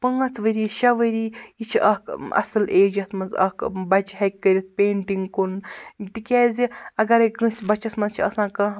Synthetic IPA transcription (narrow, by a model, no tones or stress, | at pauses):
pəŋɐt͡sʰʋəɾiʃɐʋəɾijit͡ʃʰiɐɦkɐ̰sɨleːd͡ʒɐt̪ʰmɐnzɐ̰kbɐt͡ʃɦɐk̚ʲːəɾʲɐt̪̚ʰpeːɳʈiŋkunt̪ikʲɛːziɐɡɐɾɐɡɨ̃sʲbɐt͡ʃɐsmɐzt͡ʃʰiɐsãːkɐ̃